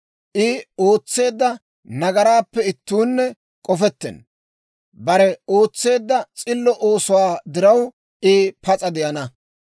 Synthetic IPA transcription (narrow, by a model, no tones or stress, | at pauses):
ʔɪo̞ːt͡sːe̞ːd̪ːɐ | nɐɡɐɾaːpːɛɪt̪ːuːnːɛ | kʼɔfɛt̪ːɛ̰n | bɐɾɛo̞ːt͡sːe̞ːd̪ːɐt͡sʼɪlːɔʔoːsʊwaːd̪ɪɾɐw | ʔɪpɐt͡sʼɐd̪ɪʔɐnɐ